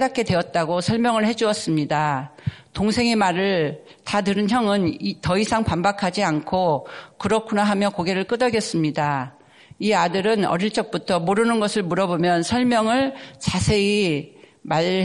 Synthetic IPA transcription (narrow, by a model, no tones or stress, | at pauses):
dak͈̚e̞dwe̞ʌt̚t͈aɡosʰʌɭmjʌŋɯɭhe̞d͡ʑuʌs͈ɯmɲidatoŋsʰe̞ŋemaɾɯɭ | tatɯɾɯnçjʌŋɯnitʌisʰaŋpambakʰad͡ʑiankʰokɯɾʌkʰunaɦamjʌkoɡe̞ɾɯɭk͈ɯdʌɡes͈ɯmɲida | iadɯɾɯnʌ̰ɾiɭt͡ɕ͈ʌk̚p͈utʰʌmoɾɯnɯnɡʌsʰɯɭmuɾʌbomjʌnsʰʌɭmjʌŋɯɭt͡ɕasʰe̞i | ma